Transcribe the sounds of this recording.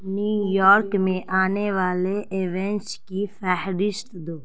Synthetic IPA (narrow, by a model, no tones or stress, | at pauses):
nuːjɔːɾkmẽʔaːneʋaːleʔeʋɛ̃nt͡ʃkifʰɛɦɾɪst̪d̪oː